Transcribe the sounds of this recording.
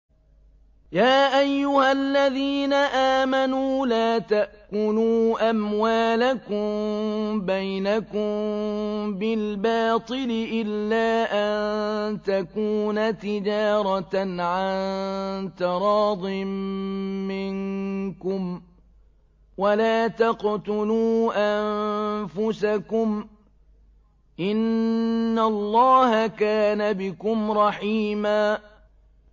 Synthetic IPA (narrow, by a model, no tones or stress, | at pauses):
jaːʔajːʊhalːaðiːnaʔaːmanuːlaːt̪aʔkʊnuːʔamwaːlakʊmbajnakʊm | bɪlbɑːt̪ˤɨlɪʔɪlːaːʔannt̪akuːnat̪ɪd͡ʒɑːɾˤɑnʕant̪ɪɾˤɑːd̪ˤɪmː | ɪŋkʊm | walaːt̪ɑqt̪ʊluːʔanfʊsakʊm | ʔɪnː | alːɑːhakaːnabɪkʊmɾˤɑħiːmaː